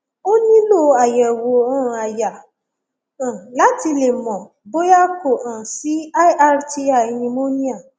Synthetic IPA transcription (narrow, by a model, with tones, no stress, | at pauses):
o˦nĩ˦lo˦˨a˨jɛ˨wo˨ɔ̃˦˨a˨ja˨ | ã˨la˨˦ti˧le˨mɔ̃˨ | bo˦ja˦ko˨ʔã˨si˨˦a˦i˦ʔa˦ɾti˦a˦˨i˧nĩ˧mo˦nĩ˦a˦˨